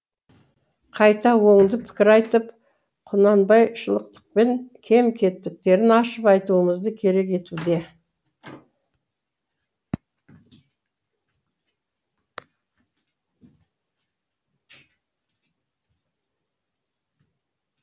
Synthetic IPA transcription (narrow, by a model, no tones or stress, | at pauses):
qʰɑjt̪ɑwo̞ɴd̪əpʰɪ̥kʲɪɾɑjt̪əp | qʰʊnɑnbɑjʃəlˠəq̚t̪ə̥q̚pe̞ŋkʲʰe̞mkʲʰe̞t̪ːɪk̚t̪e̞ɾɪnɑʃəpɑjt̪uəməzd̪əkʲʰe̞ɾe̞ke̞t̪ud̪e̞